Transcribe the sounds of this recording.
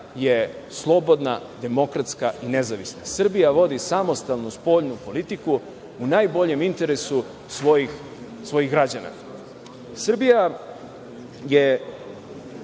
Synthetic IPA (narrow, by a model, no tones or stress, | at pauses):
je̞ | slˠo̞bo̞d̪na̰d̪e̞mo̞kɾat̪skaine̞zaʋisnasr̩bijaʋo̞d̪isamo̞st̪alˠnuspo̞ːʎnupo̞lit̪iku | unajbo̞ʎe̞mint̪e̞ɾesu | sʋojix | sʋo̞jiɣɡɾad͡ʑana̰ | sr̩bija | je